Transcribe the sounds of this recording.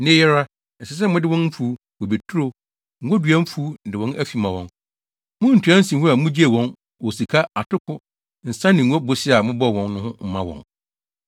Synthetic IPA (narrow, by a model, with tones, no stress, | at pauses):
nɪ̃˦jɛ˦ɾa˦ | n̩˨sɛ˨s̬ɛ˦mʊ̃˦dɪ˦wɔ̃˦nm̩˦fu˨˦ | wɔ˨be˨tʰu˦ɾo˦ | ŋ̩˨ɡo˦dɥã˦m̩˦fu˦˨dɪ˨wɔ̃˦næ˦fi˨mã˨wɔ̰̃˨n | mʊ̃˦n̩˨tʰu˨˦ã˦n̩˦sĩ˨˦ɦʊ˦a˨mʊ̃˦d͡ʑi˦e˨wɔ̃˦n | wɔ˨si˨kʰa˦a˨tʰʊ˦kʰʊ˦ | n̩˨sã˦nɪ̃˨ŋ̩˨ɡo˦bo˦si˦a˨mʊ̃˦bɔ˦˨wɔ̃˨n˦nʊ̃˦hʊ̃˦m̩˨mã˦wɔ̰̃˨n